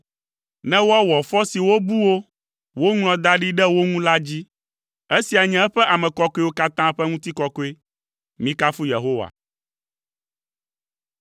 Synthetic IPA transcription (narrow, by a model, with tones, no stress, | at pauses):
nɛ̃˦wo˦a˦wɔ˨fɔ˦si˨wo˦bu˦wo˦ | wo˦ŋl̃ɔ̃˨d̪a˦ɖi˦ɖɛ˦wo˦ŋũ˦la˦d͡ʑi˦ | e˦si˨a˨ɲɛ̃˨ɛ˦ɸɛ˦ʔa˨mɛ̃˨kɔ˦kɔ˦e˦wo˦ka˦t̪ã˦ɸɛ˦ŋũ˦t̪i˦kɔ˦kɔ˦e˦ | mĩ˦ka˦fu˦je˨ɦo˦wa̰˨